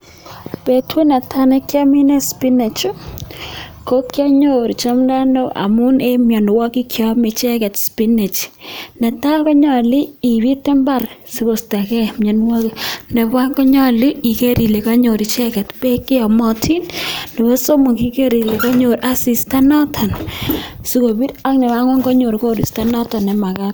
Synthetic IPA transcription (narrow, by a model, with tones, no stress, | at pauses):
pe˨twe˦na˨tʰa˦ne˦kja˦mi˦ne˦spi˦ne˨t͡ʃu˦ | ko˦kja˦ɲo˦ɾi˨t͡ʃa˦m˦la˦no˦ʔa̰˨mu˦ne˦mja˨n˨wa˦ki˦kʰjɔ˦me˨t͡ʃe˦ɣɛ˨tspi˦ne˨t͡ʃne˨ta˦ɣo˦ɲa˨liː˦˨βi˦te˦mba˦˨ɾsi˨ko˨sta˨kɛ˦mjɔ˨nwɔ˦ki˨ne˨βa˦ŋɡɔ˦ɲɔ˦˨li˦i˨ke˦ɾi˨le˨ka˦ɲo˨ɾi˨t͡ʃɛ˦kɛ˨tpe˦ke˦a˨mɔ˦tʰi˦nnɛ˨βɔ˦so˦mu˨ki˦ke˦ɾi˨le˨ka˦ɲo˨ɾa˦si˨sta˦nɔ˦tʰa˨n | si˦ko˨bi˦ɾa˦knɛ˨βa˦ŋwa˦ŋɡɔ˦ɲo˨ɾko˦ɾḭ˨sta˦nɔ˦tɔ˨nɛ˨ma˨ka˦